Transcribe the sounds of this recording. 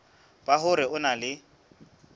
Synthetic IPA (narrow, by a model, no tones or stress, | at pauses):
b̥aɦʊɾɪʊnalɪ